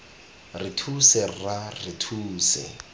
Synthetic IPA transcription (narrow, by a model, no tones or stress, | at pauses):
rɪtʰusɛrarɪtʰuːsɛ̰